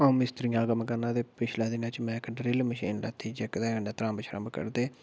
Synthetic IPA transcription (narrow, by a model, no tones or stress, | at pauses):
aũːmɪst̪ɾɪjãːɡəmkəɾnãːd̪eːpɪt͡ʃʰlãːd̪ɪnãːt͡ʃmɛ̃ːɪkɖɾɪlməʃḭːnlɛ̰ːt̪ʰiːd͡ʒekd̪ɛːkəɳãːt̪ɾãːmbt͡ʃʰəɾə̰̃mbəkə̰ɾd̪eː